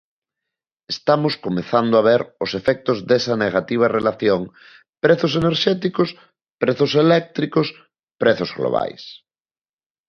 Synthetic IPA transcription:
est̪amoskomeθand̪oaβ̞eɾʊsefɛk̚t̪ozðesɐneɣat̪iβ̞ɐrelaθjoŋ | pɾeθʊseneɾʃɛt̪ikos | pɾeθoselɛk̚t̪ɾikos | pɾeθozɣlo̰βa̰js

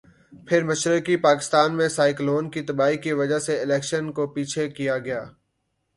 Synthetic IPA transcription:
pʰɪɾmɐʃɾəkipaːkɪ̥st̪aːnmẽsaːɪkloːnkit̪ɐbaːikiʋɐd͡ʒaɦseɪlɛːkʃənkopiːt͡ʃʰekijaɡɐjaː

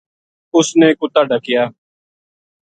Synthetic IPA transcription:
ʊsneːkʊt̪aːɖəkɪjaː

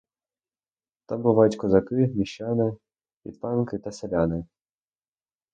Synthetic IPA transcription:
t̪ɑmbʊʋɑjʊtʲkɔzɐkɪmʲiʃɑnɪ | pʲḭd̪pɑnkɪt̪ɐselʲanɪ

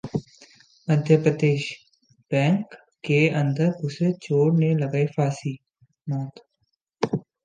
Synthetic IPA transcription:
məd̪ʱjəpɾəd̪eːʃ | b̥ɛ̃ːŋkː | eɐ̃nd̪əɾʊset͡ʃoːɽnelɐɡaːefaːsiː | mɔːt̪

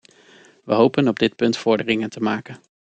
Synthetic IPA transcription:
ʋəɦowpənɔb̚dɪt̚pɵntfɔɹdərɪŋəntəmaːkən

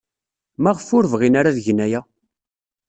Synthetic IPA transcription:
mæʁəfʊɾvʁinaɾaðʝənːæjæ

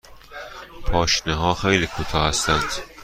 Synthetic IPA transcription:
pʰɒːʃneɦɒːxejliːkʰut̪ʰɒːhæst̪ænd̪̥

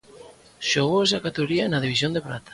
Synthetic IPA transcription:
ʃoɣoes̬akat̪eɣoɾianað̞iβisjond̪epɾat̪ḁ

